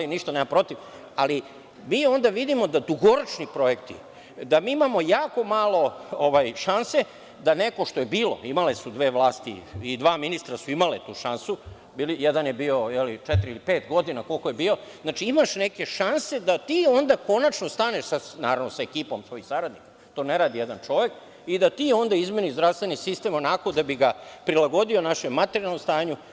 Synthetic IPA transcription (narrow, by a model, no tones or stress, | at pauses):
iniʃt̪anemampɾo̞t̪iʋ | ali | miːo̞nd̪aʋid̪imo̞d̪ad̪uɡo̞ɾot͡ʃnipɾo̞je̞kt̪ḭ | d̪amiːimamo̞jaːko̞maːlˠo̞oʋaːjʃanse̞ | d̪ane̞ko̞ʃt̪o̞jebiːlo̞̰imale̞sud̪ʋe̞ːʋlaːst̪ḭid̪ʋaːminist̪ɾasuimalet̪uːʃansu | biːlijed̪anjebiːo̞jelit͡ʃet̪ɾiilipe̞ːt̪ɡo̞d̪inako̞lko̞jebiːo̞znaːt͡ʃiimaʃne̞ke̞ʃanse̞d̪at̪iːo̞nd̪ako̞nat͡ʃno̞st̪aːne̞ʃsanaːɾaʋnosaekiːpo̞msʋo̞jisaɾad̪nikḁ | t̪o̞ːne̞ɾaːd̪ije̞d̪ant͡ʃo̞ʋe̞k | id̪at̪iːo̞nd̪aizme̞nizd̪ɾaʋst̪ʋe̞nisist̪e̞mo̞nako̞d̪abiɡapɾilˠaɡo̞d̪io̞naʃemːat̪eɾialˠnost̪aːɲu